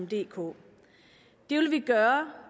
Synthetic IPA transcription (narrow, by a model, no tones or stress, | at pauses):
md̥e̝̰ːkʰo̝̰ː | d̥e̝ʋlʋiɡ̥ɶːɐ